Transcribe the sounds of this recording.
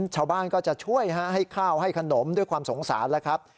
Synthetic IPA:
t͡ɕʰaː˧wbaː˥˩nkɔː˥˩t͡ɕa˨˩ʔt͡ɕʰu˥˩əjɦa˦˥ʔɦa˥˩jkʰaː˥˩wha˥˩jkʰa˧no˩˦mdu˥˩əjkʰwaː˧mso˨˩˦ŋsa̰ː˩˦nlɛ˦˥kʰɾa˦˥p̚

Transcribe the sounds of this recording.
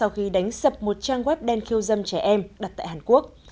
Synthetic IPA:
sa˧wxi˧ɗa˨˦jŋ̟sə˨˩p̚mo˨˩t̚t͡ɕaː˧ŋɣwɛ˦˥p̚ɗɛ˧nxi˧əwzə˧mt͡ɕɛ˧˩ʔɛ˧mɗa˨˩t̚t̪a̰ː˧˨jhaː˨˩nku˦˥ək̚

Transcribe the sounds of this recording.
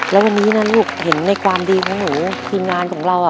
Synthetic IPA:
lɛː˦˥wa˧nːiː˦˥na˦˥˩luː˥˩k̚he˩˦nːa˧jkʰwaː˧mdiː˧kʰɔː˨˩˦ŋnuː˩˦t̪ʰiː˧mŋaː˧nkʰɔː˩˦ŋɾa˧wʔaː˨˩

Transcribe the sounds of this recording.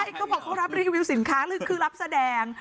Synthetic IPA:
a˥˩˨kʰɔː˦˥˩bɔː˨˩kʰːa˧˥˩wɾa˦˥p̚ɾiː˧wiː˧wsi˨˩˦nkʰaː˦˥lɯ˦˥˩kʰːɯː˧˩la˦˥p̚sa˧dɛː˧ŋ

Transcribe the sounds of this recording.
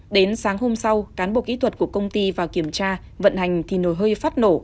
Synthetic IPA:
ɗe˨˦nsaː˨˦ŋɦo˧msa˧wkaː˨˦nɓo̰˧˩ki˧˦˥t̪ʰwə˨˩t̚ku˧˩əkə˧wŋ͡mt̪i˧vaː˨˩wki˧˩əmt͡ɕaː˧ | və̰˧˨nha˨˩jŋ̟t̪ʰi˨˩no˧˩jɦəː˧jfaː˦˥t̚no˧˩

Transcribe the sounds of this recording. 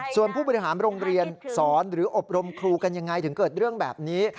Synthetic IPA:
su˨˩ənpʰuː˥˩bɔ˧i˧˩ɦaː˩˦nɾo˧ŋɾi˧ənsɔː˩˦nɾɯː˩˦ʔo˨˩p̚ɾo˧mkʰɾuː˧ka˧nja˧ŋːa˧jt̪ʰɯ˩˦ŋkɤː˨˩t̪̚ɾɯ˥˩əŋbɛ̰ː˨˩p̚niː˦˥

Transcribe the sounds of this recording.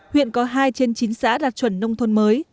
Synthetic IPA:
hwḭ˧˨ənkɔ˨˦ɦaː˧jt͡ɕe˧nt͡ɕi˨˦ŋ̟sa̰ː˧˥ɗaː˨˩t̚t͡ɕwə˧˩nːə˧wŋ͡mt̪ʰo˧nməː˨˦j

